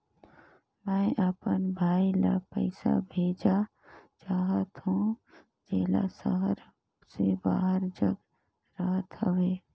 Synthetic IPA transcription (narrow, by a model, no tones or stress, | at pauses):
mɛ̃ːʔəpənbʱaːilapə̰ɪsa̰bʱeːd͡ʒa | t͡ʃaːɦət̪ɦũ | d͡ʒeːla̰səɦəɾ | sebaːɦəɾd͡ʒəɡ | ɾəɦət̪ɦəʋeː